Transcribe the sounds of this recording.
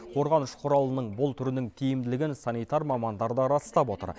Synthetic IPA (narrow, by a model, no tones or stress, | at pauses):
qʰo̞ɾʁɑnʊʃqʰʊɾɑlˠənəɴbʊlˠt̪ʰʏɾɪnɪŋt̪ʲʰijɪmd̪ɪlɪɡʲɪnsɑnijt̪ɑɾmɑmɑnd̪ɑɾd̪əɾɑst̪ɑpwo̞t̪ə̰ɾ